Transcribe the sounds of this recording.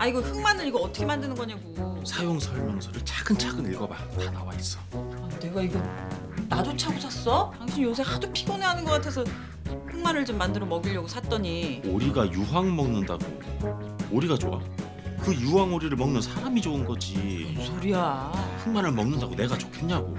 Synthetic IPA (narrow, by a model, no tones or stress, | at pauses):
aiɡʌɸɯŋmanɯɾiɡʌʌtʰʌkʰemandɯnɯnɡʌɲaɡusʰajoŋsʰʌɭmjʌŋsʰʌɾɯɭt͡ɕaɡɯnt͡ɕʰaɡɯniɭɡʌba | tanawais͈ʌ | ane̞ɡaiɡʌ | nad͡ʑot͡ɕʰaɡusʰas͈ʌtaŋɕʰiɲijos̬ʰe̞hadopʰiɡoneɦanɯnɡʌk͈atʰe̞s̬ʰʌ | pʰɯŋmanɯɭt͡ɕomːandɯɾʌmʌɡiʎːʌɡosʰat͈ʌɲioɾiɡajuɦwaŋmʌŋnɯndaɡo̰ | oɾiɡat͡ɕo̰a̰ | kɯjuwaŋoɾiɾɯɭmʌŋnɯnsʰaɾamid͡ʑoɯnɡʌd͡ʑisʰoɾiaɸʰɯŋmanɯɭmʌŋnɯndaɡone̞ɡat͡ɕokʰeɲɲaɡo̰